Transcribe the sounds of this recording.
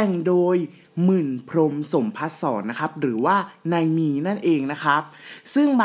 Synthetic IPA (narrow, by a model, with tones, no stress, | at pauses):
ɛ˨˩ŋdoː˧j | mɯ˨˩npʰɾo˧mso˩˦mpʰa˦˥t̪̚sɔ̰ː˩˦nːa˦˥kʰa˦˥p̚ɾɯː˩˦waː˥˩na˧jmiː˧na˥˩nʔeː˧ŋna˦˥kʰɾa˦˥p̚sɯ˥˩ŋba˧